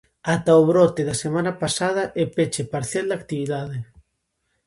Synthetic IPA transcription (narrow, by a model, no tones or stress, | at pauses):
at̪aoβɾɔt̪eðasemãnapasað̞ɐʔepet͡ʃepaɾθjald̪ak̚t̪iβiðaðe